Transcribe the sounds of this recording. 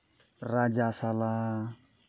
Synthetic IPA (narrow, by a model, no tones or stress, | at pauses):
rad͡ʒasala